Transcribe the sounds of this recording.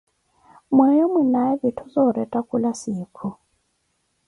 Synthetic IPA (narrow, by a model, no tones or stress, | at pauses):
mwɛjɔminaɛβitʰɔzɔɾɛtʼakʼulasiːkʰu